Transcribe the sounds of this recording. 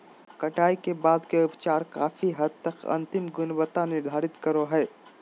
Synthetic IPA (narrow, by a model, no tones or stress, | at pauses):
kɐʈaːikebaːd̪keʊpt͡ʃaːɾka̰ːfiɦɐd̪̚t̪ɐkɐ̰̃nt̪ɪmɡʊnbət̪anɪɾd̪ʱaːɾɪt̪kɐɾoɦɛː